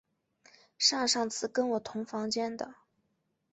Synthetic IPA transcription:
ʂɑ˥˧ŋʂɑ˥˩ŋt͡sʰɹ̩˥˩kə˥nwɔ˨˩t̪ʰʊ˧˥ŋfɑ˧˥ŋt͡ɕjɛ˥nd̪ə˨˩

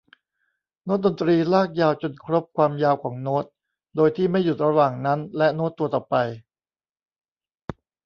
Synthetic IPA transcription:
noː˦˥t̪̚do˧nt̪ɾiː˧laː˥˩k̚jaː˧wt͡ɕo˧nkʰɾo˦˥p̚kʰwaː˧mjaː˧wkʰɔː˩˦ŋnoː˦˥t̪̚ | doː˧jt̪ʰiː˥˩ma˥˩jːu˨˩t̪̚ɾa˧waː˨˩ŋna˦˥nlɛ˦˥ʔnoː˦˥t̪ːu˧ɐt̪ɔː˨˩pa˧j

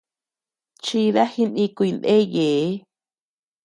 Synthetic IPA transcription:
t͡ʃi˧ða˦hi˧nĩ˧kʷi˧nd̪e˦je˨e˦

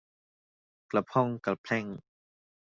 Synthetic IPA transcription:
kla˨˩pʰɔ˥˨ŋka˨˩pʰlɛ˥˩ŋ

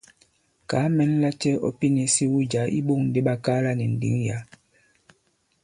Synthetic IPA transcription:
ka˨˦mɛ˨˦n˦la˦t͡ʃɛ˦ɔ̰˦pi˦ne˨si˦wu˦d͡ʒa˨˦ʔḭ˦ɓo˦˨ŋn̩˨de˦ɓa˦ka˦la˦nɛ˨n̩˨dḭ˨˦ŋja˨˦

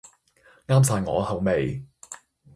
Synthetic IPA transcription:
ŋaː˥msaː˧jŋɔ̰ː˨˧hɐ˨˩wme˨j

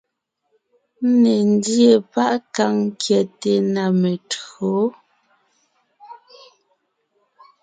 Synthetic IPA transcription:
ne˨n˦dje˨pa˦ʔka˦ŋ˦kjɛ˨te˨na˨me˨tɰo˨˦

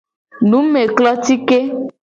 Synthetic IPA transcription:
nũ˨˦me˨klɔ˦t̪i˦ke˦

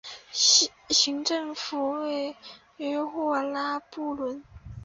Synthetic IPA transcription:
ɕi˧˥ŋʈ͡ʂɤ˥˩ŋfu˧˥we˥˩ɪ | ɥɛ˥xwɔ˥˩la˥pu˥˩lwə˧˥n

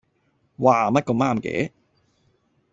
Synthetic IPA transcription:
waː˨mɐ˥t̚kɔː˧maː˥mkɛ̰ː˨˥

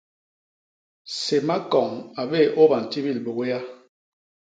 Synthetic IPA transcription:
se˨ma˦kɔ˨ŋa˨be˦˨ʔo˦ba˨n˨ti˦bi˦˨lbo˨ɣe˦ja˦

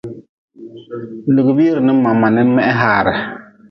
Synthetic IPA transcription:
lɨ˨ɡɨ˨bi˦ɾɨ˨nɨ˦ma˨mːa˨nɨ˦mɛ˦ʔɛ˦ɦaː˦˨ɾɪ˨

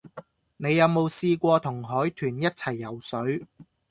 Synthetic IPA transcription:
ne˨˧jːɐ˨˧wmo˨˧wsiː˧kʷɔː˧t̪ʰʊ˨˩ŋɦɔː˨˥jt̪ʰyː˨˩njɐ˥t̚t͡sʰɐ˨˩jːɐ˨˩wsɵ˨˥ɥ

